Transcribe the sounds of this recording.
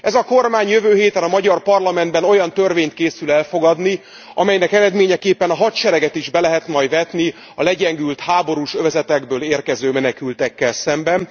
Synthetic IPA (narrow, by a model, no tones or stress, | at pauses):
ɛzɒko̞rmaːɲjøvøːɦeːt̪ɛnɒmɒɟɒrpɒrlɒmɛnd̪bɛno̞jɒnt̪ørveːɲt̪̚keːsylɛlfo̞ɡɒd̪ni | ʔɒ̰mɛjnɛkɛɾɛd̪meːɲɛkeːpːɛnɒɦɒt̪ʃɛɾɛɡɛt̪iʒbɛlɛɦɛt̪mɒjvɛt̪ni | ɒlɛɟɛŋɡylt̪haːbo̞ɾuːʃøvɛzɛt̪ɛɡbøːleːrkɛzøːmɛnɛkylt̪ɛkːɛlsɛmbɛn